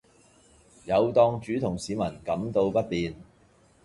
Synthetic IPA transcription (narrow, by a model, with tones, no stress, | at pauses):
jɐ˨˧wt̪ɔː˧ŋt͡ʃyː˨˥t̪ʰʊ˨˩ŋsiː˨˧mɐ˨˩nkɐ˨˥mt̪o˧wpɐ˥t̚piː˨n